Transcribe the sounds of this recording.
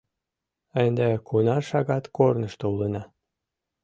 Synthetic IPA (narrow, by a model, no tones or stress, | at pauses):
ənd̪ekʰunɑʃɑɣɑt̪kornəʃt̪oulənɑ